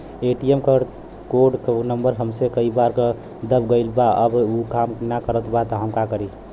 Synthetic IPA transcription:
eʈiemkə | koɖknəmbəɾɦəmsekəibaɾke | d̪əbɡəɪlbaə̰bukamknakəɾət̪bat̪ɔɦəmkakəɾi

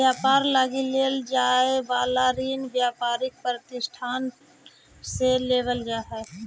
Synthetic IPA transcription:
jaːpaːɾlaːɡileld͡ʒaːebaːlaːɾiːnbjaːpaːɾɪk̚pɾət̪ɪsʈʰaːn | seleːʋəld͡ʒaːɦe

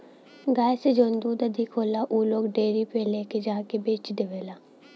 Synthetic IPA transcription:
ɡaːjsed͡ʒõːnd̪uːd̪ɐd̪ʱɪkɦoːlaʔuːloːɡɖeːɾipeleːked͡ʒãːkebeːt͡ʃd̪eʋeːlaː

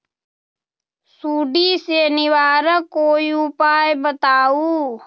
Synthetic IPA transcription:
suːɖiːsenɪwaːɾəkoːiʊpaːjbət̪aːuː

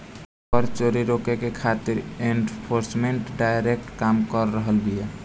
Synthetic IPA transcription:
pəɾt͡ʃoɾiɾokekekʰat̪iɾenpʰoɾsmeɳʈɖajɾek̚ʈkamkəɾːəɦəlbʱije

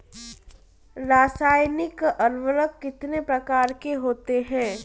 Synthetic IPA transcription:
ɾaːsaːjnɪkɐɾʋəɾəkːɪt̪nepɾɐkaːɾkeɦoːt̪eɦɛ̃ː

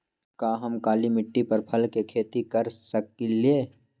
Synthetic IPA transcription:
kaːɦɐmkaːlimɪʈːipɐɾpʰɐlkekʰeːt̪ikɐɾsɐkilieː

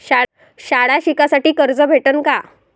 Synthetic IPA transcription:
ɕa | ɕaɽaɕikasaʈiːkəɾd͡zəbʱeʈənka

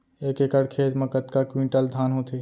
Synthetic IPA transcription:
eːkeːkəɽkʰeːt̪mɐ̃kət̪kakwĩːɳʈəld̪ʱaːnɦoːt̪ʰeː

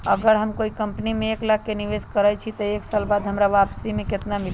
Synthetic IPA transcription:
əɡəɾɦəmkoikəmpnimeːklaɡ̚keniʋeskəɾət͡ʃʰit̪əeksalbad̪ɦəmɾaʋapsimeket̪namil

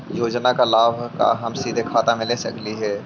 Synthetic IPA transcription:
joːd͡ʒnakalaːbʱka̰ɦɐmsiːd̪ʱekʰaːt̪amẽlesɐ̰kliɦɛː

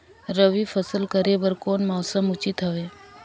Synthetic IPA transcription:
ɾəʋifʰəsəlkəɾebəɾkoːnmɔːsəmʊt͡ʃɪt̪ɦɐʋeː

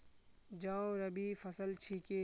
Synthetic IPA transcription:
d͡ʒãːoɾəbiːfʰəsəlt͡ʃʰiːkeː

